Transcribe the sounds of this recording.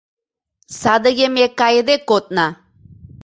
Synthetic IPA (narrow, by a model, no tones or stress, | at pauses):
sad̪əɡemekajd̪ekot̪̚na